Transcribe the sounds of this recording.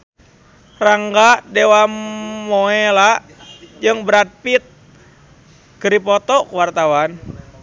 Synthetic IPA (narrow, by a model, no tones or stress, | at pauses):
raŋɡadewamoela | d͡ʒɨŋbəɾat̪̚pit̪̚ | kəɾipɔt̪ɔkuwart̪awan